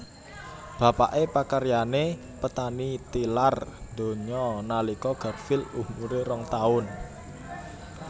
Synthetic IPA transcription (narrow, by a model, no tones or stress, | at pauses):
b̥a̤pa̰ʔepakəɾijane | pət̪anit̪ilard̪̥o̤ɲɔnalikɔɡ̥a̤rfɪlumuɾeɾɔŋt̪aʊn